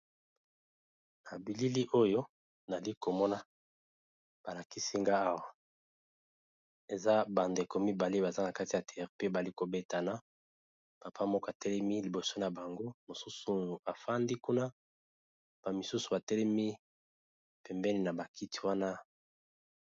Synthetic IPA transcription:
na˨bi˨li˦li˦ʔo˦jo˦ | na˨li˦ko˨mɔ˦na˦ | b̥a˨la˨ki˦si˦ŋɡa˦a˦wa˨ | e˨za˦ba˨nde˨ko˨mi˦ba˨le˦ba˨za˦na˨ka˦ti˨ja˨tɛ˨˦˨ʁpe˦ba˨li˦ko˨be˦ta˨na˦ | pa˨pʰa˦mɔ˦ka˨tɛ˦lɛ˦mi˦li˨bo˨so˦na˨ba˨ŋɡo˦mo˨su˦su˨a˨fa˦ndi˦ku˦na˦˨ | b̥a˨mi˨su˦su̥˨ba˨tɛ˦lɛ˦mi˦ | pɛ˨mbɛ˦ni˨na˨ba˨kʰi˦ti̥˦wa˦na˦

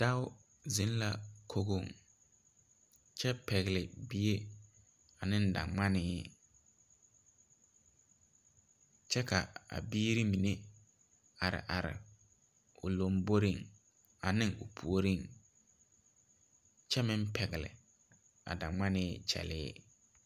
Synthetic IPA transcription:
d̥a˦wʊ˦ | zɪ˦n˦la˦kʰo˦ɣo˦˨ŋ | t͡ʃɛ˦pɛ˨ɣɪ˨lɪ˨bi˦e˦ | a˨nɪ̃˦n˦da̰˨ŋ͡ma˦nɪː˦ | t͡ʃɛ˦ka˨a̰˨biː˦ɾi˦mi˨ne˦ | a˨ɾɪ̰˨ʔa˨ɾɪ̰˨ | ʊ˨lo˨mbo˦ɾi˦ŋ | a˨nɪ˦ŋʊ˨pʰu˨o˦ɾi˦˨ŋ | t͡ʃɛ˦mɪ̃˦mpʰɛ˨ɣɪ˨lɪ̰˨ | a̰˨da˨ŋ͡ma˦nɪː˦t͡ʃɛ̰˨lɪː˦

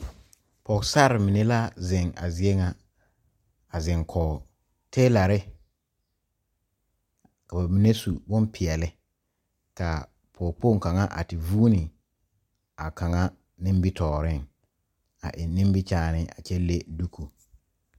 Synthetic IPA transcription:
pɔ˨sa˦˨ɾɪ˨mɪ˨ne˦la˦zɪ˨ŋa̰˨zi˨ɛ˦ŋa˦ | a˨zɪ˨ŋkʰɔː˨ | tʰeː˦la˨ɾɪ˦ | ka˨ba˨mi˦ne˦su˨bʊ˦mpʰɪ˨ɛ˨lɪ˦ | ka˨ | pʰɔː˨po˦˨ŋka˨ŋa˦ʔa̰˨tɪ˨vuː˦nɪ˨ | a˨ka˨ŋa˦ | nɪ̃˦m˦bi˦tʰɔː˨ɾɪ˦˨ŋ | a̰˨ʔɪ˨nɪ̃˦m˦bɪ˦t͡ʃaː˦nɪ˦a̰˨t͡ʃɛ˦le˦du˦kʰu˨

